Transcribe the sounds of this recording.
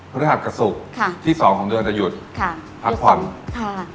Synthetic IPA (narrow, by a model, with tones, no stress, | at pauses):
pʰa˧˥˩a˨˩t̪̚ka˧su˨˩k̚kʰa˥t̪ʰiː˥˩sɔː˩˦ŋkʰɔː˩˦ŋd̪ɯ˧nt͡ɕa˨˩ju˨˩t̪̚kʰ | pʰa˨˩t̪̚pʰa˩˦nʰ